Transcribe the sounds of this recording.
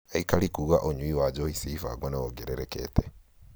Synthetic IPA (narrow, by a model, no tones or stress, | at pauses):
eikalikuɣaʔoɲuwiwad͡ʒohisifa̰ɡoneɣoɡeɾeɾekḛːte